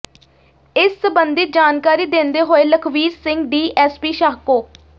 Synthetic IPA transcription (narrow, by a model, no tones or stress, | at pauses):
ɪsːəbənd̪ɪt̪̚d͡ʒaːnkaːɾiːd̪ẽːnd̪eːɦoːeːləkʰʋiːzsɪ̃ŋɡɖiːʔɛːspiːʃaːɦkoːk